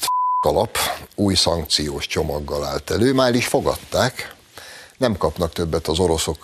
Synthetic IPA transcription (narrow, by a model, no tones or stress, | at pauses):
t̪ɒlɒpuːjsɒŋk̚t̪sijoːʃt͡ʃo̞mɒɡːɒlaːlt̪ɛløːmaːliʃfo̞ɡɒ̰t̪ːaːk | nɛmkɒpnɒkt̪ø̞bːɛt̪ɒzo̞ɾo̞so̞k